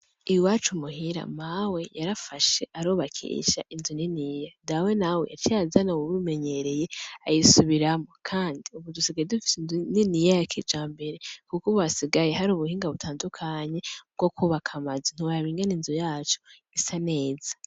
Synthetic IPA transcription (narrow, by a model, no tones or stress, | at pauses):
ijuwaːt͡ʃumuɦiɾa̰mawe̞jaɾafaʃe̞̰ʔaɾoːβakʰḭʃa̰ʔinzuninijadawe̞nawe̞̰ja̰tijazanaβuβume̞ɲe̞ɾe̞jeajisuβiɾamokʰaːndiuβudusiɡajedufi̥senzuninijajakʰid͡ʒaːmbe̞ɾe̞kukuβwasiɡajeɦaɾuːβuhiːŋɡaβutʰaːndukʰaɲe̞b̚ɡ̥okʰuβakʰamazin̥iwajaβiːŋɡaninzujaːt͡ʃo̥ | isane̞ːz̥ḁ